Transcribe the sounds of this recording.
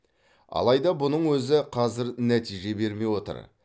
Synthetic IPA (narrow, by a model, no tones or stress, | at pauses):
ɑ̰lˠɑjd̪ɑbʊnəɴwɵzɪqʰɑzɪɾnæt̪ijʒe̞be̞ɾme̞jwo̞t̪ə̰ɾ